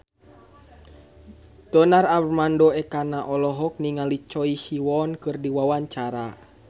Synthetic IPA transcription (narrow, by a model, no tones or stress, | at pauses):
dɔnarabrmandɔɛkanaʔɔlɔɦɔk̚niŋalit͡ʃɔisiwɔnkɨrdiwawaɲt͡ʃaɾa